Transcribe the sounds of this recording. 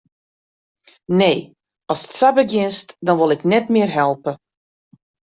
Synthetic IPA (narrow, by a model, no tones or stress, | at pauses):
neː | ɔsə̥tsabəɡjɪnstdɔnʋolˠɪknɛtmɪərɦɛlˠpə